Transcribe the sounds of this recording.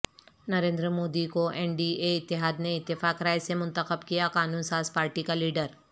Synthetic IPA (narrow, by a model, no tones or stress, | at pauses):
nɐɾẽːnd̪ɾmoːd̪ikoʔɛːnɖiːeɪt̪ːɪɦaːd̪neɪt̪ːɪfaːkɾaːjsemʊ̃nt̪əxəbkijakaːnũːnsaːzpaːɾʈikaliːɖəɾ